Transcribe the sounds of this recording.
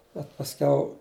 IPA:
bʲɛt pɐsʲˈkʲɛʊ

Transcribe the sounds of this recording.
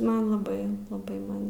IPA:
ˈmɐn lˠɐˈbɐɪ lˠɐˈbɐɪ ˈmɐn

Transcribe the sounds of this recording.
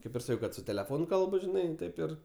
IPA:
ˈkɐɪp ɪr ˈsɑːkʲɛʊ ˈkɐt sʊ tʲɛlʲɛˈfoːnʊ ˈkɐlˠbʊ ʒʲɪˈnɐɪ ˈtɐɪp ɪr

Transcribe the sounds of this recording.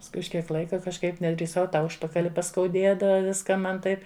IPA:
pɐsˈkʊɪ ʊʃ ˈkʲiɛk ˈlˠɐɪkɐ kɐʃˈkɐɪp nʲɛdʲrʲiːˈsɐʊ tɐ ˈʊʃpɐkɐlʲɪ pɐskɐʊˈdʲeːdɐʋɐ ˈʋʲɪskɑː ˈmɐn ˈtɐɪp

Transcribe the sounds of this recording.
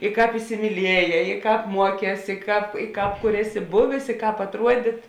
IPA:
ɪ ˈkɑːp ɪsʲɪmʲiːˈlʲiɛˌjɛː ɪ ˈkɑːp ˈmuɔˌkʲɛːs ɪ ˈkɑːp ɪ ˈkɑːp kʊr ˈæːˌsʲɪ ˈbʊʋʲeːs ɪ ˈkɑːp ɐtˈruɔdʲɪt

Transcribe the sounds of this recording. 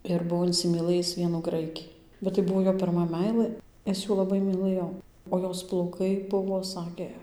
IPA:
ɪr ˈbuɔ ɪnʲsʲɪmʲiːˈlˠɘjɪs ˈʋʲiɛnuː ˈɡrɐɪkʲɪ bʲɛt tɐɪ ˈbuɔ ˈjoː pʲɪrˈmɐ ˈmʲɛɪlˠɘ ˈɪs ˈjuː lˠɐˈbɐɪ mʲiːˈlˠɘjoː oː ˈjoːs plˠɐʊˈkɐɪ ˈbʊʋoː ˈsɑːkʲeː

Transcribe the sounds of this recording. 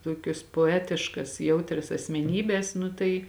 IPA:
ˈtoːkʲoːs poːˈæːtʲɪʃkɐs ˈjɛʊtʲrʲɛs ɐsʲmʲɛˈnʲiːbʲɛs ˈnʊ tɐɪ

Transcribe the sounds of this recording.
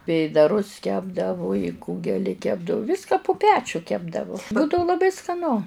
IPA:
ˈʋʲeːdɐrʊs ˈkʲæːbdɐʋʊ ˈkuːɡʲɛlʲɪ ˈkʲæːbdɐʋʊ ˈʋʲiːskɐ pʊ ˈpʲæːt͡ʃʲʊ ˈkʲæːbdɐʋoː ˈbuːdɐʋʊ lˠɐˈbɐɪ skɐˈnʊ

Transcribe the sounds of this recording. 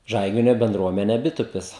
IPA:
ˈʒɐɪɡʲɪnʲoː bʲɛnˈdruɔmʲɛnʲɛ ˈbʲɪtʊpʲɪs

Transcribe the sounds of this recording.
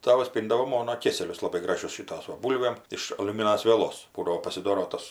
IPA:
ˈtɑːʋɐs ˈpʲiːndɐʋoː ˈmoːnoː ˈkʲeːsʲɛlʲʊs lˠɐˈbɐɪ ˈɡrɑːʒʲʊs ˈʃʲiːtoːs ˈʋɐ ˈbuːlʲʋʲeːm ɪʃ ɐlʲʊˈmʲɪnɐs ʋʲiɛˈlˠoːs ˈbuːdɐʋoː pɐsʲɪˈdoːroː ˈtoːs

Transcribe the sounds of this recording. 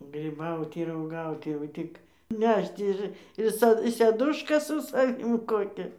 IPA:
ɡrʲiːˈbɐʊtʲɪ ɪr uɔˈɡɐʊtʲɪ jɛʊ ˈtʲɪk ˈnʲɛʃt ɪr ɪ ˈsɐ sʲɛˈdʊʃkɐ sʊ sɐˈʋʲɪm ˈkoːkʲɛ

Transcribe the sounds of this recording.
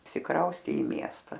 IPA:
ɪʃʲsʲɪˈkrɐʊsʲtʲeː ɪ ˈmʲiɛstɐ

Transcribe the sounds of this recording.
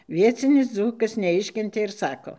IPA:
ˈʋʲiɛt͡sʲɪnʲɪs ˈd͡zuːkɐs nʲɛˈɪʃʲkʲɛnʲtʲeː ɪr ˈsɑːkoː

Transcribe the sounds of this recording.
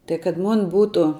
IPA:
tɐɪ kɐt moːnʲ ˈbuːtʊ

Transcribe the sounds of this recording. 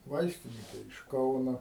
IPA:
ˈʋɐɪsʲtʲɪnʲɪkʲɛ ɪʃ ˈkɐʊnoː

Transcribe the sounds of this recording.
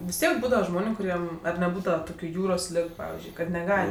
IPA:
ʋʲɪs ˈtʲiɛk ˈbuːdɐʋɐ ˈʒmoːnʲʊ kʊˈrʲiɛm ɐr nʲɛˈbuːdɐʋɐ ˈtoːkʲʊ ˈjuːroːs ˈlʲɪk ˈpɑːʋʲɪzʲd͡ʒʲʊɪ kɐt nʲɛˈɡɐlʲ

